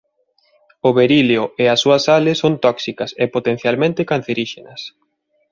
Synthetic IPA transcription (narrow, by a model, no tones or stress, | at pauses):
ʊβeɾileʊeɐsːuɐsalɪsont̪ɔksikɐsɛpot̪en̟θjalmẽnt̪ɪkan̟θeɾiʃenɐs